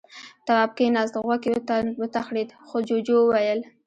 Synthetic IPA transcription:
t̪awab̚kenazt̪ɣwakiwət̪axɽid̪xod͡ʒod͡ʒowwajəl

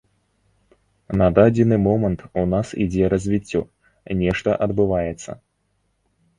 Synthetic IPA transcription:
nɐd̪ad͡zʲɪnɨmɔmɐnt̪unasḭd͡zʲɛɾɐzʲvʲit͡sʲːɔ | nʲɛʂt̪ɐʔɐd̪bɨvajɛt̪sːɐ̰

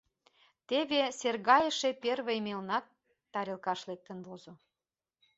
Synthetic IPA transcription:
t̪eβeserɣɑjəʃeperβejmelnɑt̪ː | ɑɾelkɑʃlek̚t̪ənβozo

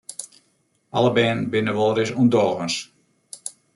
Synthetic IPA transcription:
ʔɑlˠəbɛːnbɪnəʋɔlˠɾɪsundɔːɣəns

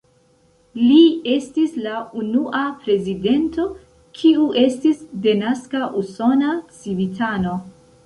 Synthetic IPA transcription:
lie̞stislaunuʔapɾe̞zide̞nto̞ | kʰiuʔe̞stisdenaskaʔuso̞nat͡sivitʰano̞

